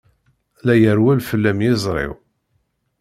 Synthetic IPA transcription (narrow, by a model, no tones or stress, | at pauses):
læjəɾwælfəlːæmjɪzˤɾˤɪ̰w